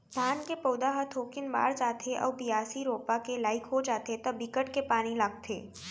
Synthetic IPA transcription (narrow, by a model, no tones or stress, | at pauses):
d̪ʱaːnkepəʊd̪aɦət̪ʰoːkɪnba̰ːɾd͡ʒaːt̪ʰeʔɔ̰ːpijaːsiɾoːpakelaːɪkɦod͡ʒaːt̪et̪ɐbɪkəʈkepaːnilaːɡ̚t̪ʰḛː